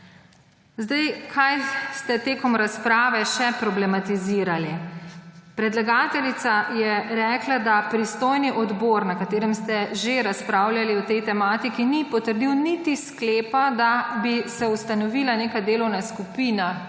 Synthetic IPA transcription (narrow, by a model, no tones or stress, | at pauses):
zd̪ajkʰajst̪ɛt̪eːkɔmɾaspɾaːʋɛʃɛpɾɔblɛmat̪iziːɾali | pɾɛd̪laɡaːt̪ɛlit̪sajɛɾɛːklad̪apɾist̪oːjniʔɔd̪boːɾnakat̪eːɾɛmst̪ɛʒeɾaspɾaːwlʲjaliɔt̪ɛjt̪ɛmaːt̪ikinipɔt̪əɾd̪iwnit̪iskleːpad̪abisɛust̪anɔʋilaneːkad̪eːlɔwnaskupiːna